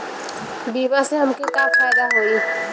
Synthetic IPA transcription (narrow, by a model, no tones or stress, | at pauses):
biːbaseɦɐmkit̪aːbfaːjd̪aɦoːiː